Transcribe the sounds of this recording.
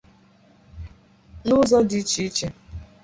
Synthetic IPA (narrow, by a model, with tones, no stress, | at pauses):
nʊ˦zɔ˦dɪ˦t͡ʃi˦i˦t͡ʃe˦